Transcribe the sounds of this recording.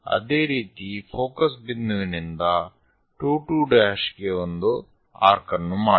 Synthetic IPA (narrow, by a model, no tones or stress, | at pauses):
ɐ̰d̪eːɾiːt̪ipʰoːkɐsbinːuɡnind̪ɐ | ʈuːʈuːɖaːʃɡeond̪u | a̰ːɾkɐnːumaː